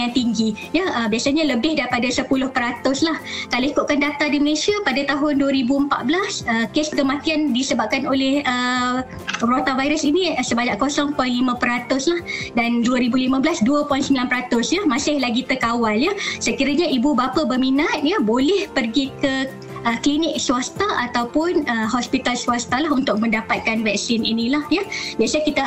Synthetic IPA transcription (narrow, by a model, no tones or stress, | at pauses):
aŋt̪iŋɡijaʔəbiasaɲãləbɪhdaɾipadasəpulʊhpəɾat̪ʊslahkaloikʊʔ̪̚kandat̪adiməlesiapadat̪aɦʊnduəɾibuəmpa̰ʔ̪̚blasəkesəkəmat̪iandisəbap̚kanolɛhə | rot̪avajɾəsiniəsəbaɲaʔkosɔŋpɔjnlimə̃pəɾat̪ʊslahdanduəɾibulimə̃blasduəpɔjnsəmbilanpəɾat̪ʊsjəmãsɪhlaɡit̪əkawaljəsəkiɾaɲaʔibubapəbərminat̪̚jəbolɛhpərɡikə | əklinɪk̚suast̪aʔat̪awpʊnəhɔspit̪alsuast̪alaɦunt̪ʊk̚mə̃ndapat̪̚kanvɛk̚sɪnḭnĩlahjəbiasakit̪a